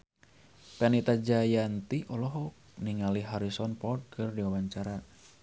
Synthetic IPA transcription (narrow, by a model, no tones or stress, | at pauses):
pɛnit̪ad͡ʒajant̪iʔɔlɔɦɔk̚ | niŋaliɦaɾisɔnpɔd̚kʰɨrdiwawaɲt͡ʃaɾa